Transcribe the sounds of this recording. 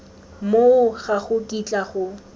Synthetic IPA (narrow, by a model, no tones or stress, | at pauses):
moʊχaχʊtʼit͡ɬʼaχʊ